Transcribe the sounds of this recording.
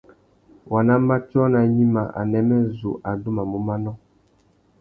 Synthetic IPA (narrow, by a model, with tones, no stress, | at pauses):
wa˨na˦ma˦tɔ˦na˨ɲi˦ma˨ʔa̰˨nɛ˦mɛ˦zu˨ʔa˨du˦ma˨mu˦ma˦nɔ˦